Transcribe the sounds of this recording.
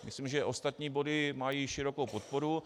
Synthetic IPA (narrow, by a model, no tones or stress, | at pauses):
mɪslimʒɛʔo̞st̪at̪ɲiːbo̞dɪmajiːʃɪɾo̞kowpot̪̚po̞ɾu